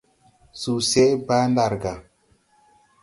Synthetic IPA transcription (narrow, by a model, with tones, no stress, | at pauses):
su˨sɛ˦ba˦nda˨ɾɡa˨